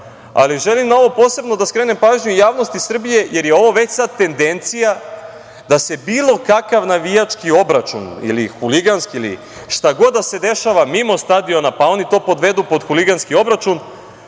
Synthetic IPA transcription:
a̰liʒe̞limnao̞ʋo̞po̞ːse̞bno̞d̪askɾe̞ːne̞mpaːʒɲujaːʋno̞st̪isr̩bije̞je̞ɾjeo̞ʋo̞ʋe̞t͡ɕsad̪̚t̪e̞nd̪e̞nt̪sija | d̪ase̞biːlˠo̞kakaʋnaʋijat͡ʃkio̞bɾat͡ʃṵnḭlḭxuliɡanskiilḭ | ʃt̪aɡo̞d̪d̪ːase̞d̪e̞ʃaʋamimo̞st̪ad̪io̞napao̞nit̪o̞ːpo̞d̪ʋe̞d̪upo̞d̪xuliɡanskio̞bɾat͡ʃun

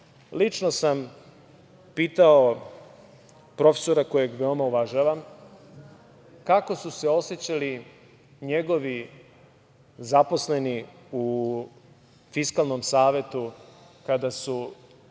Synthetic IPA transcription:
lit͡ʃno̞sam | piːt̪ao̞ | pɾo̞fe̥so̞ɾako̞jeɡʋe̞o̞mauʋaʒaːʋam | kako̞suse̞o̞set͡ɕali | ɲe̞ɡo̞ʋi | zapo̞sle̞niu | fiskalˠnomsaːʋje̞t̪ukad̪asu

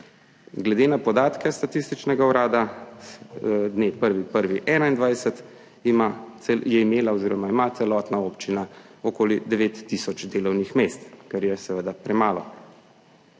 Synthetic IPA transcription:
ɡlɛd̪enapɔd̪aːt̪kɛst̪at̪ist̪it͡ʃnɛɡauɾaːd̪a | d̪nepəɾʋipəɾʋiʔɛːnaind̪ʋajsɛt̪ | maɛjɛimeːlaɔziːɾɔmaimat̪sɛlɔt̪naoːpt͡ʃinaɔkoːlid̪ɛʋeːt̪ːisɔt͡ʃd̪eːlɔwnixmest̪kɛɾjɛsɛʋəd̪apɾɛmaːlɔ̰

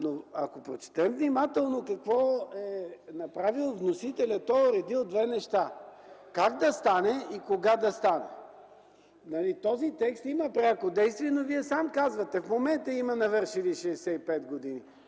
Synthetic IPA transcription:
noɐkopɾot͡ʃɛ̥t̪ɛmvnimat̪ɛlˠnokɐkvɔɛnɐpɾavilˠvnosit̪ɛlʲɐt̪ɔɾɛd̪ilˠd̪vɛnɛʃt̪akaɡd̪ɐst̪anɛikoɡad̪ɐst̪anɛ̰ | nɐlit̪ɔzit̪ɛkst̪imɐpɾɛakod̪ɛjst̪viɛnoviɛsamkazvɐt̪ɛfmomɛnt̪əimɐnɐvɤɾʃiliʃɛːsɛipɛt̪ɡod̪ini

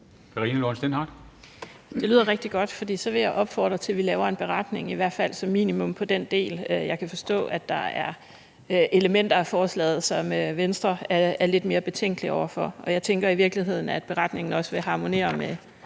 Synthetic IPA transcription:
kʰɑʁiːnəloːnsd̥enhɑd̥ | d̥e̝lyðˠɐʁeɡ̥̚d̥iɡ̥ɒ̽d̥fɒ̽d̥ḭːsɒ̽ʋe̝jɑ̈ɪʔɒ̽b̥fɒ̰ːd̥ʁɐt͡sʰe̝lʋilɛːʊɐe̝nb̥e̝ʁɑd̥ne̝ŋiʋæɐ̰̥fæl̰sɒ̽mːḭːnimɔ̽m̰pʰɒ̽d̥end̥e̝̰ːløjɑ̈ɪkʰæfɒ̽sd̥ɔ̰̽ːæd̥ɑ̈æɐ | ʔe̝ləmen̰d̥ɐæfɒːslɛ̰ːð̞̩ˠsɒ̽møʋensd̥ʁɐææɐle̝d̥me̝ːɐb̥e̝t͡sʰeŋ̰ɡ̥liɒʊɐfɒ̽ɒ̽jɑ̈ɪt͡sʰeŋɡ̥ɐiʋiɐɡ̥liɦe̝ð̞̰ˠn̩æd̥̚b̥e̝ʁɑ̈d̥ne̝ŋn̩ɒ̽sʋe̝ɦɑ̈ːmo̝ne̝̰ːɐme

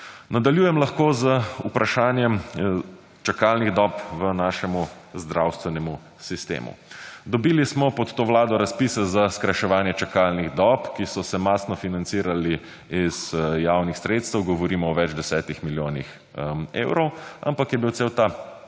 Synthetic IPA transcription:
nad̪aljuːjɛmlaxkoːzəupɾaʃaːnjɛm | t͡ʃakaːlniɣd̪ɔpʋənaːʃɛmuzd̪ɾawst̪ʋɛnɛmu | sist̪ḛːmṵd̪ɔbiːlismɔpɔt̪ːoːʋlaːd̪ɔɾaspiːsɛzaskɾajʃɛʋaːnjɛt͡ʃakaːlniɣd̪ɔpkisɔsɛmaːsnɔfinantsiːɾali | izjaːwnixsɾeːt̪st̪əwɡɔʋɔɾiːmɔːʋɛd͡ʒd̪ɛsɛːt̪ixmiljoːnḭx | ḛːwɾɔwa̰mpakjɛbiwt̪seːwt̪a

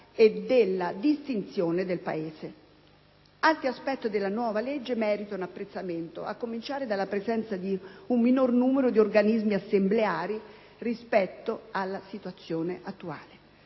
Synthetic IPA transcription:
ed̪elːad̪ist̪int̪sjoːned̪elpa̰eːze | alt̪ɾiaspɛt̪ːid̪elːanwɔːvaled͡ʒːemɛːɾit̪aunapːɾet̪sːament̪o̰a̰kːomint͡ʃaːɾed̪alːapɾezɛnt̪sad̪iumːinornuːmeɾod̪iorɡanizmiasːembleaːɾi | rispɛt̪ːoalːasit̪uat̪sːjoːneʔat̪ːua̰ːle

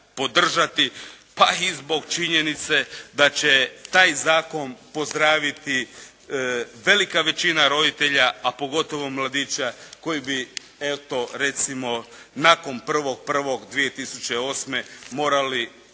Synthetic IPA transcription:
po̞d̪r̩ʒat̪i | paizbo̞ɡt͡ʃiɲe̞nit̪se̞d̪at͡ɕe̞t̪aːjzaːko̞npo̞zd̪ɾaːʋit̪i | ʋe̞likaʋe̞t͡ɕinaɾo̞d̪it̪e̞ʎaapo̞ɡo̞t̪o̞ʋo̞mlˠad̪iːt͡ɕako̞jibi | et̪o̞ɾe̞t̪simo̞naːko̞npr̩ʋo̞ɡ̚pr̩ʋo̞ɡd̪ʋije̞t̪isut͡ɕe̞o̞ːsme̞mo̞ːɾali

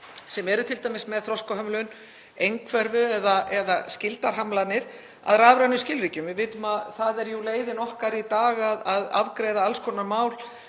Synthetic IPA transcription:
sɛmɛɾʏt̪ʰɪlt̪aːjmɪsmɛðθɾɔskaɦœmlʏn | ejŋkʰvɛɾvʏɛðaʔɛðascɪlt̪aɾ̥ɦamlanɪɾ̥ | a̰ðɾaːvɾanʏscɪlɾicʏmvɪðvɪːt̪ʏmaðθaðɛɾjuleːjðɪnɔhkaɾit̪aːɣaðaða̰vkɾejðaalskʰɔnaɾmaːwl

